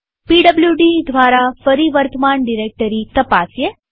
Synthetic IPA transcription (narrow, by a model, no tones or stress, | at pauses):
piɖəbljuɖid̪ʱʋaɾafəɾiʋəɾt̪əmaɳɖiɾek̚ʈəɾit̪əpasje